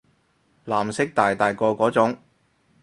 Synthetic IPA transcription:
laː˨˩msɪ˥k̚t̪aː˨jt̪aː˨jkɔː˧kɔː˨˥t͡sʊ˨˥ŋ

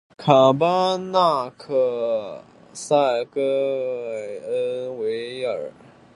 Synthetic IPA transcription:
kʰa˨˩ba˥na˥˩kʰɤ˥˩ | sa˥˩ɪkə˥˩ɪə˥nwe˧˥ɪə˨˩˨

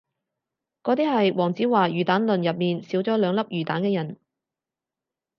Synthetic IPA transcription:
kɔː˨˥t̪iː˥hɐ˨jwɔː˨˩ŋt͡siː˨˥waː˨˩jyː˨˩t̪aː˨˥nlɵ˨njɐ˨p̚miː˨nsiː˨˥wt͡sɔː˨˥lœː˨˧ŋlɐ˥p̚jyː˨˩t̪aː˨˥nkɛː˧jɐ˨˩n

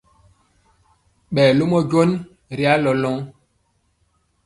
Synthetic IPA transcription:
ɓɛː˨lo˦mɔ˦ɟo˦n | ɾi˦a˦lɔ˨lɔ˦ŋ

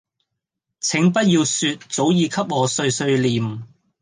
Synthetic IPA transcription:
t͡sʰɪ˨˥ŋpɐ˥t̚jiː˧wsyː˧t̚t͡so˨˥wjiː˨˧kʰɐ˥p̚ŋɔː˨˧sɵ˧ɥsɵ˧ɥliː˨m̩˨˩

